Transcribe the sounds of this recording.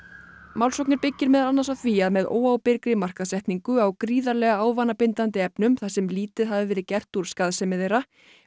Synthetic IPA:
maːwlsowknɪɾpɪcːɪɾmɛðalanːasawθviaðmɛðo̰ːwawpɪɾkɾɪmar̥kaðsɛht̪niŋkʏawkɾiːðaɾlɛːɣaaːwvanapɪnt̪ant̪ɪɛpnʏmθasɛmliːt̪ɪðɦaðvɪvɛːɾɪðcɛr̥t̪uɾ̥skaːðsɛmɪðejɾa

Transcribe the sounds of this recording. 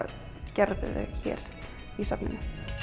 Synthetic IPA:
cɛɾðɪðɛɣçɛ̰ːɾ | isapnɪn

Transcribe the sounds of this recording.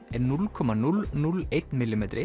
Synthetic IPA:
ɛnʉlkʰɔmɑnʉlnʉlɛt̪mɪlɪmɛt̪ɾɪ

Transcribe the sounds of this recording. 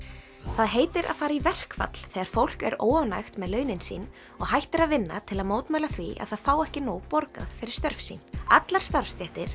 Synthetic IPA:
θaðɦeːjt̪ɪɾʔa̰ðfaːɾaivɛr̥kfa̰t̪l̥θɛːɣaɾ̥fowl̥kɛ̰ɾo̰ːwanajxt̪mɛðlœːɥnɪnsḭːn | ɔɣhajht̪ɪɾaðvɪnːa̰t̪ʰɪlaðmoːwt̪majlaθviʔa̰ðθaðfaːwɛhcɪnoːwpɔɾka̰ðfɪɾɪɾst̪œɾfsḭnat̪laɾ̥st̪aɾ̥fst̪jɛht̪ɪɾ̥

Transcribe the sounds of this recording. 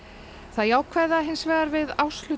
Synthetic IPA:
θaðjaːwkʰvɛðaɦɪnsvɛːɣaɾvɪðaːwslʏ

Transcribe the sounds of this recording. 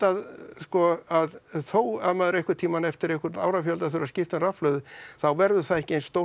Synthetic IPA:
aðskɔaðθoːwaðmaːðʏɾejhkʏɾ̥t̪ʰiːmanɛft̪ɪɾehkʏɾa̰ːwɾafjœlt̪aθʏɾascɪft̪ʏnrafflœːðʏθawvɛɾðʏ̥θaðɛhcɪejnst̪o

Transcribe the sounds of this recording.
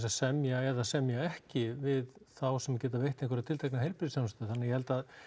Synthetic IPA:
sasɛmjaɛðasɛmjaɛhcɪvɪðθawsɛmcɛːt̪avejht̪ɪnkvɛɾt̪ʰɪlt̪ʰajknaɦejɾpɪɾsjawnst̪ʏʏθanːajɛhɛlt̪að

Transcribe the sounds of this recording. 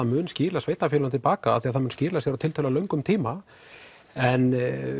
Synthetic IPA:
aðmʏːnscɪːɾlasveːjt̪afjɛlʏnt̪ʰɪlpaːkaa̰θiaðθanmʏnscɪːɾlasjɛɾawt̪ʰɪlt̪ʰɛlalœɥŋkʏmt̪ʰiːma | ɛn

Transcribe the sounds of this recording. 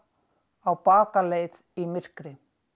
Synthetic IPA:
awpaːkaleːjð | imɪr̥kɾɪ

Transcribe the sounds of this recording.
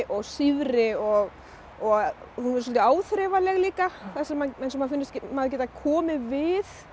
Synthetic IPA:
ʔɔɣsivɾɪɔɣ | ɔɣ | hunvɛɾs̬ɔlt̪ɪaːwθɾɛvalɛɣliːkaθasɛmːaɛnsɔmaðfɪnːɪst̪cmaːðcɛːt̪akʰɔːmɪvɪθ

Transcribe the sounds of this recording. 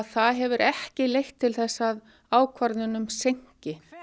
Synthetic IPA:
ðθaðɦɛvʏɾʔɛhcɪlejxt̪ʰːɪlθɛsːað | aːwkʰvaɾt̪nʏnʏmsejɲ̥cɪ

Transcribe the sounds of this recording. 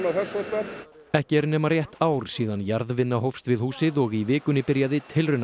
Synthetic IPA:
naθɛsɛt̪a | ɛhcɪɾnɛːmarjɛht̪aːwɾ̥siːðanjaɾðvɪnːaɦowfst̪vɪðhuːsɪðɔɣivɪːkʏnːɪpɪɾjaðɪt̪ʰɪlrʏna

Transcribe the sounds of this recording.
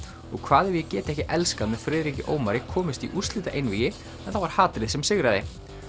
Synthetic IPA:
ɔɣkʰvaːðɪvjɛcɛːt̪ɪɛhcɪʔɛlskaðmɛðfɾɪːðɾicɪʔoːwmaɾɪkʰɔːmɪst̪iʔust̪lɪːt̪aʔejnviːjɪ | ɛnθavaɾ̥haːt̪ɾɪðsɛmsɪɣɾaðɪ

